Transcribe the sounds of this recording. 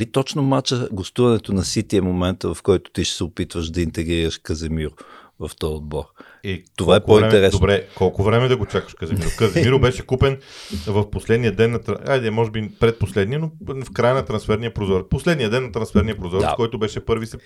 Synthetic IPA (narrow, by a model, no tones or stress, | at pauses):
lit̪ɔt͡ʃnomat͡ʃəɡost̪uvɐnɛt̪onɐsit̪iɛmomɛnt̪əvɐfkɔjt̪ʊ̥t̪iʃsɛʊpit̪vəʃd̪ɐint̪ɛɡɾiɾəʃkəzɛmiɾʊ | vɐft̪ɔjod̪̚bɔɾ | it̪ovaɛpoint̪ɛɾɛsd̪obɾɛkɔlˠkʊvɾɛmɛd̪ɐɡot͡ʃakə̥ʃkəzɛmiɾʊkəzɛmiɾʊbɛʃɛkupɛnvɐfposlɛd̪nijəd̪ɛnːɐt̪ɾɐajd̪ɛmɔʒɛbipɾɛt̪̚poslɛd̪niənofkɾajənɐt̪ɾɐnsfɛɾnijəpɾozɔɾposlɛd̪nijəd̪ɛnːɐt̪ɾɐ̃nsfɛɾnijəpɾozɔɾd̪a̰kɔjt̪ʊbɛʃɛpɤɾvisɛ